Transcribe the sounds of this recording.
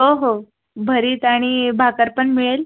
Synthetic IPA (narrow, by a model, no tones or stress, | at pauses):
ɦoɦo | bʱəɾiːt̪aɽ̃ibʱakəɾpəɳmiɭel